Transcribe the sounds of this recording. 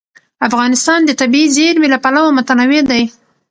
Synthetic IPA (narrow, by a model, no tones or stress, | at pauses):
afɣɑnɪst̪ɑnd̪ət̪abiizeɾmelapalawamʊt̪anawed̪aj